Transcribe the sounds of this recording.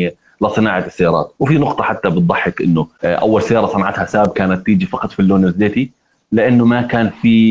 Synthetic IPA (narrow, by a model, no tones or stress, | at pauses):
lɪsˤɨnaːʕaɪsːajɑːɾˤɑ̰ːt̪wfinʊqt̪ˤɑħat̪ːabɨt̪̚ˤðˤɑħːɪkʔɪ̰nːʊʔa̰wːalsajɑːɾˤɑsˤɑnʕat̪hasabb̚kaːnat̪ːiːd͡ʒifɑqɑt̪ˤfilːoːnɪzeːt̪i | lɪʔanːʊmakaːnfiː